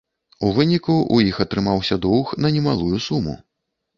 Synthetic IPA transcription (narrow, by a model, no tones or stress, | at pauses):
uvɨnʲikuʔujixɐt̪ɾɨmawsʲɐd̪ɔwxnɐnʲɛmalˠujusumṵ